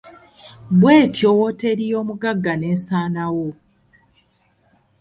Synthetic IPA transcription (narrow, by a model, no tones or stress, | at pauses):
bwe̞ːtʰjowote̞ɾijo̞ːmuɡaɡːane̞ːsaːnawo